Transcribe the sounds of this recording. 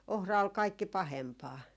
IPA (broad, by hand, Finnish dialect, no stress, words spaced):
ohrɑ ol kɑikːi pɑhempɑː